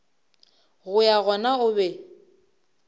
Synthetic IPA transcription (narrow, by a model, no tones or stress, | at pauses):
ɣʊjaɣɔnaʊbɛ